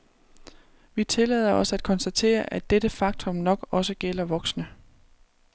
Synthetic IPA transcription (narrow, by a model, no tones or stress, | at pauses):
ʋit͡sʰe̝lɛ̰ð̞ˠɐɒ̽sæd̥̚kʰɒ̽nsd̥æt͡sʰe̝̰ːɐʔæd̥eɾ̥əfɑ̈ɡ̥̚t͡sʰɔ̽mnɒ̽ɡ̥ɒ̽səɡ̥el̰ɐʋɒ̽ɡ̥snə